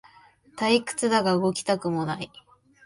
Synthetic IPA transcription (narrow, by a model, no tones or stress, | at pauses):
t̪aikɯ̟̥t͡sɨd̪aɡaɯ̟ɡo̞kʲi̥t̪akɯ̟mo̞nai